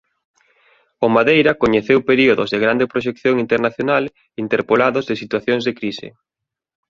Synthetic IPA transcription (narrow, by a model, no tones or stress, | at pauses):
omaðejɾɐkoɲeθewpeɾioðo̰zðeɣɾand̪epɾoʃ̬ekθjoŋint̪eɾnaθjonal | int̪eɾpolaðozðɪsit̪waθjoŋzðekɾisɪ̰